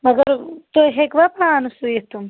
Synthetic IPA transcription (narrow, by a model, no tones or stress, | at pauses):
mɐɡəɾt̪ojɦekʋapɾaːnusujet̪um